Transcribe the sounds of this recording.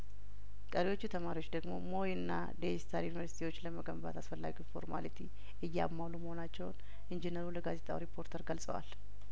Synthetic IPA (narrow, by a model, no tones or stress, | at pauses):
kʼəɾiwo̞t͡ʃːut̪ʰəmaɾiwo̞t͡ʃːd̪əɡmo̞̰mo̞jɪnːa̰d̪eist̪ʰaɾjunivəɾsi̥t̪ʰiwo̞t͡ʃːləməɡəmba̰t̪ʰasfəlːa̰ɡufo̞̰ɾma̰lit̪ʰi | ɨjːamːawluməhonat͡ʃːɛwn | ʔind͡ʒenəɾuləɡaze̞t̪ʼawɾipʰːo̞ɾt̪ʰəɾɡəlsʼə̰wa̰l